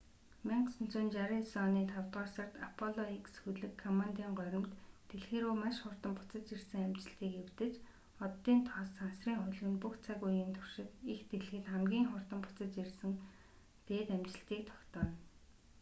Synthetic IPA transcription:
meɴqsɵ̆n̥t͡sʰʊːnt͡ɕaɾisɔniːt̪ʰawt̪ʁɔːrsə̆rt̪apʰɔɮɔiksxuɮɘ̆kʰːɔmant̪iːŋɢœɾʲɪ̆mt̪ːeɮxeːɾuːmaʃχʊr̥t̪ə̆mpʊt͡sə̆t͡ɕ̪t͡ɕirsɘ̆ŋamt͡ɕɪ̆ɬt̪iːkewt̪ɘ̆t͡ɕ | ɔt̪ːiːnt̪ʰɔsansriːŋχʊɮɣɘ̆npukt͡sʰaɣujiːnt̪ʰʊ̥r̥ʃɪ̆t̪ixt̪eɮxɘ̆t̪χamɡʲiːŋχʊr̥t̪ə̆mpʊ̥t͡sə̆t͡ɕ̪t͡ɕirsɘ̆ŋ | t̪eːt̪amt͡ɕɪ̆ɬt̪iːk̚t̪ʰɔ̥kt̪ɔːn

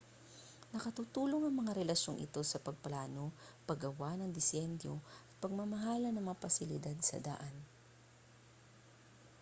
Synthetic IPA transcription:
nɐkɐt̪uːt̪uːlo̞ŋɐŋmɐŋaɾɛlɐʃo̞ŋʔɪ̰t̪o̞sɐpɐɡ̚plaːno̞pɐɡɐwanɐŋd̪ɪsjɛnd̪oʔɐt̪̚pɐɡ̚mɐmɐɦaːlɐnɐŋmɐapɐsɪlɪd̪ad̪sɐ̰d̪a̰ʔan

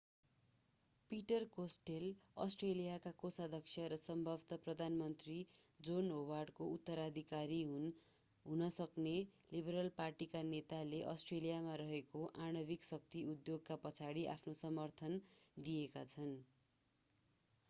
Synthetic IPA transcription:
piʈʌrkosʈelʌ̰sʈrelijakakosad̪ʱʌksʰjʌɾʌsʌmbʱʌbt̪ʌprʌd̪ʱanmʌnt̪ri | d͡zonɦowarɖkout̪ːʌɾad̪ʱikaɾiɦ | ɦunʌsʌkne | libʌɾʌlparʈikanet̪aleʔʌsʈrelijamaɾʌɦekoʔaɽ̃ʌbiksʌk̚t̪iud̪joɡ̚kapʌt͡sʰaɽiʔa̰pʰnosʌmʌrt̪ʰʌnd̪ijeka̰t͡sʰʌn

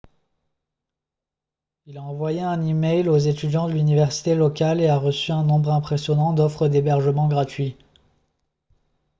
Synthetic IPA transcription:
ilaɑ̃vwajeɛ̃nimɛjlozet̪yd̪jɑ̃d̪əlynivɛʁsi̥t̪elɔkʲaleaʁəsyɛ̃nɔ̃bʁɛ̃pχesjɔnɑ̃d̪ɔfχəd̪ebɛʁʒəmɑ̃ɡʁat̪ɥi

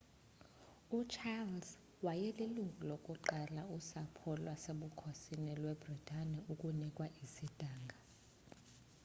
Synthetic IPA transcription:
ut͡ʃʰalz | wajɛliluŋɡʱulokʼuǃalausapʰɔlwaseɓukʰosinɛlwɛbritʼʰaniukʼunikʼwaʔisid̥ʱaːŋɡʱa

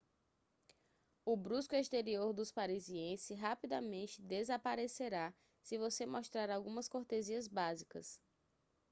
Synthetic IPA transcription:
ʊbɾuskʊeʃt̪eɾioɾd̪ʊspaɾiziẽsɪɦapid̪amẽnt͡ʃɪd̪ezapaɾeseɾa | sɪvosemɔʃt̪ɾaɾawɡũmɐskoɾt̪eziɐzbazikɐs

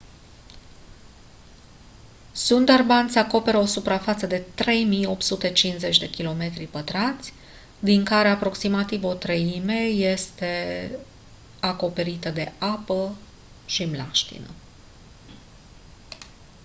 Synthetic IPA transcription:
sund̪arbant̪sʲako̞pe̞ɾəo̞supɾafat̪səd̪e̞t̪ɾe̞jmijo̞p̚t̪sut̪e̞t͡ʃinze̞t͡ʃʲd̪e̞kʲilo̞me̞t̪ɾipət̪ɾat̪sʲ | d̪iŋkaɾe̞apɾo̞ksimat̪ivo̞t̪ɾeime̞je̞st̪e̞ | ako̞pe̞ɾit̪əd̪e̞apə | ʃimlaʃt̪ḭnə̰

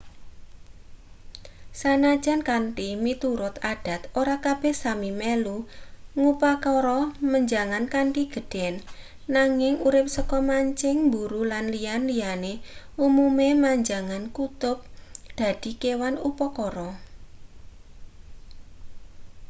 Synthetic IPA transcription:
sanḁd͡ʒʒ̥ankanʈimit̪uɾʊt̪ad̥a̤t̪oɾakab̥ɛhsamimeluŋupakɔɾɔməɲd͡ʒaŋankanʈiɡ̥ə̤ɖ̥ɛnː | aŋɪŋuɾɪp̚səkɔmaɲt͡ʃɪŋmbuɾulanlijanliane | umumemaɲd͡ʒaŋankut̪ʊp̚d̪̥a̤d̪̥i̤kewanupɔkɔɾɔ

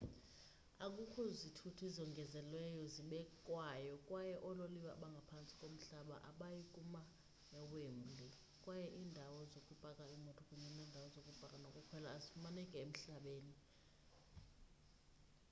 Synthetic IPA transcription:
ak̬ʼukʰɔzitʰutʰuizɔŋɡʱɛzɛlwɛjɔziɓɛkʼwajɔkʼwajɛʔɔloliwa̰ɓaŋɡʱapʰant͡sʼikʼom̩ɬaɓa̰ʔaɓajikʼuma | jawem̩lʱi | kʼwajɛʔiːndʱawɔzokʼub̥ʱakʼaimɔtʰɔkʼuɲɛnɛːndʱawɔzokʼub̥ʱakʼanokʼukʰwɛlaːzifumanɛkʼɛem̩ɬaɓeːni

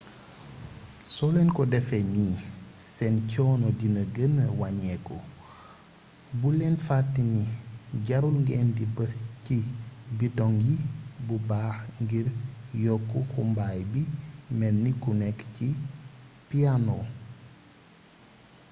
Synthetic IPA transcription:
sɔlɛnkɔdɛfɛɲiːsɛncɔːnɔdinəɡənəwaɲɛkɔ | bulɛnfatːiniɟaɾulŋɡɛːndibəscibitɔŋjibubaːxŋɡiɾjɔkːuxumbaːjbimɛnːikːunɛkːci | pianɔ

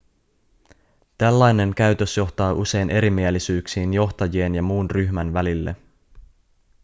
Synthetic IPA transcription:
t̪ælːɑjne̞ŋkæɥt̪ø̞sjo̞ht̪ɑːʔuse̞jnʔe̞ɾimielːisyːksiːnjo̞xt̪ɑjie̞njɑmuːnryçmænʋælilːḛ

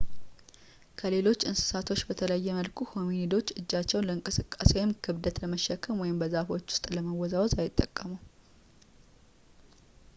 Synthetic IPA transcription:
kʰəle̞lo̞t͡ʃːɨnsɨ̥sat̪ʰo̞t͡ʃːbət̪ʰələjːɛməlkʰukʰo̞munid̪o̞t͡ʃːɨd͡ʒːat͡ʃːɛwnləɨŋkʼɨsɨkʼːaswɔjɪmkʰɨβd̪ət̪ləməʃːɛkʰːəmwɔjɪmbəzafo̞t͡ʃːʊ̥st̪ʼləməwɔzawzajɪt̪ʼːəkʼːəmuw

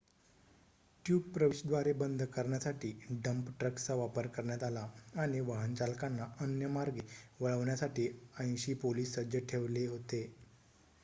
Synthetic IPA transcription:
ʈjuːb̚pɾəʋiɕd̪ʋaɾebənd̪ʱkəɾɳjasaʈʰiːɖəmpʈɾəkt͡saʋapəɾkəɾɳjat̪alaaɽ̃iʋəɦənt͡ɕalkanːaənjəmaɾɡeʋəɭəʋɳjasaʈiːə̃jnɕiːpoliːsːəd͡ʑəʈʰeʋleɦot̪e

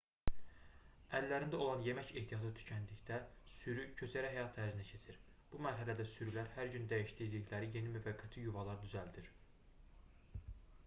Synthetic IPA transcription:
ælːæɾind̪æo̞lˠɑnje̞mæce̞ht̪ʰijɑt̪ʰɯt̪ʰy̥cʰænd̪içd̪æsyɾycʰø̞t͡ʃʰæɾæɦæjɑt̪ʰæɾzinæcʰe̞t͡ʃʰiɾ | b̥umæɾɦælæd̪æsyɾylæɾhæɾɟynd̪æjiʃt̪iɾd̪içlæɾije̞nimyvæɡːæt̪ʰijuvɑlˠɑɾd̪yzæld̪iɾ

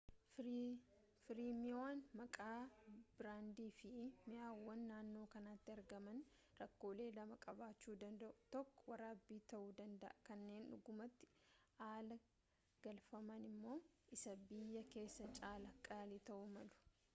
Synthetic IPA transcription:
fɪɾiːmɪaːnmɐkʼaːbɪɾaːnd̪iːfɪmɪjaːwːɐnːaːnːo̞ːkɐnaːt̪ːɪɐɾɡɐmɐn | ɾɐkːo̞ːle̞ːlɐmɐkʼɐbaːt͡ʃːuːd̪ɐnd̪ɐʔʊt̪ɔkːɔ̥wɐɾaːbːiːt̪ɐʔuːd̪ɐnd̪ɐʔɐkɐnːe̞ːnʊ̰ɡʊmɐt̪ːɪ̥aːlɐ | ɡ̥ɐlfɐmɐnɪmːo̞ːʔɪsɐbɪjːɐke̞ːsːɐt͡ʃʼaːlɐkʼaːlɪt̪ɐʔʊmɐlʊ̥

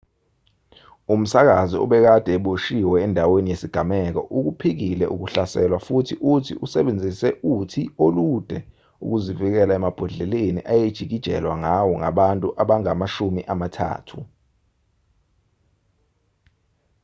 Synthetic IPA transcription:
um̩sak̬aziɔ̰ɓɛk̬ad̥ʱɛɓoʃiwɛːndʱawenijesiɡ̥ʱamɛk̬ɔ̰ʔuk̬upʰik̬ilɛʔuk̬uɬasɛlwafutʰiʔutʰḭʔusɛɓend͡zʱisɛʔutʰiolud̥ʱɛ | ṵk̬uzivik̬ɛlaɛmab̥ʱɔɮɛlenḭʔajed̥ʒ̥ʱik̬id̥ʒ̥ʱɛ̰lwaŋawɔŋaɓantʼuʔaɓaŋamaʃumiʔamatʰa̰ːtʰu

